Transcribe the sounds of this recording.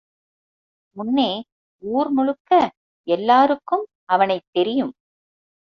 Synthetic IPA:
ʊnːeː | uːɾmʊɻɯkːɐ | ɛlːaːɾɯkːɯm | ʔɐʋɐnɐɪt̪ːɛɾɪjɯm

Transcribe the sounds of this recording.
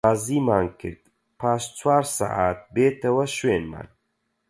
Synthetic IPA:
aːziːmaːnkʰɨ̰ɾd̪̥ | pʰaːʃt͡sʰwaːɾsa̰ʔaːt̪̚beːt̪ʰɐwɐʃweːnma̰ːn

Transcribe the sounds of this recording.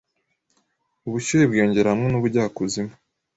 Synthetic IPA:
uβuʃijebɡoːɲɟe̞ɾahamŋe̞nuβuɾɟaːkuzima

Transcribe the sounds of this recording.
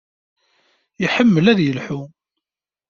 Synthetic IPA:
jiħəmːəlæðjəlħu

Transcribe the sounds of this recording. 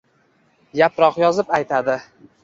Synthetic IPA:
japɾɒqjɒzɪpajt̪ʰad̪ɪ

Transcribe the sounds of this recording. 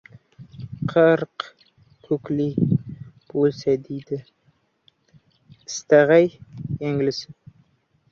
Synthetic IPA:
qʰəɾq | kʰɵkli | b̥olˠsad̪ejd̪ɪ | ɪ̥st̪aʁajːæŋlɪsɪ

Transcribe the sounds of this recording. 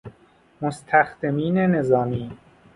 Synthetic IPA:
most̪ʰæxd̪emiːnene̞zɒːmiː

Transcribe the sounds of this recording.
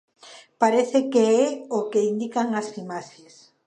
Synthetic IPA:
paɾeθekeɛokeind̪ikaŋasfimases

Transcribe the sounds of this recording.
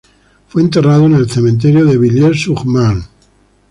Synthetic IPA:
fweːnt̪̬e̞raðoene̞lθemẽnt̪̬eɾjoðe̞βiʎeɾsuχman

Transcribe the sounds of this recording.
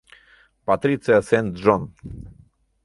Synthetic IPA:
pat̪ɾit̪sijasɛnt̪ʐɔn

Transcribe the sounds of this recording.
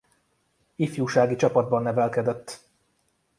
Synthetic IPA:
ifjuːʃaːɡit͡ʃɒpɒd̪̚bɒnːɛvɛlkɛd̪ɛt̪ː

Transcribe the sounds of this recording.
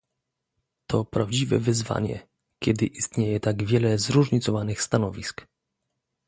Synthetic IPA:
t̪ʰɔpɾavd͡ʑivɛ̰vɘzva̰ɲɛ̰ | kʲɛd̪ɘʔist̪ɲejɛt̪aɡvʲjɛlɛzɾuʐɲit̪sɔvanɘxst̪anɔvʲisk

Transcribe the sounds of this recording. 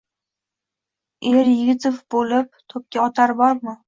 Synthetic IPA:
eɾjɪɡʲɪt̪ɪfbolɪp̚t̪ʰɵp̚kʲaɒt̪ʰaɾbɒɾmɪ

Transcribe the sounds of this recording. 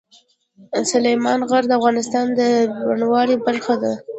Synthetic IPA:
sʊlajmɑnɣaɾd̪əafɣɑnɪst̪ɑnd̪əɾaɳwɑɽibaɾxad̪a

